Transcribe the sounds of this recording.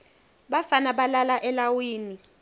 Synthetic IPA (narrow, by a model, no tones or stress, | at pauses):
ɓafanaɓalalaʔɛlawiːni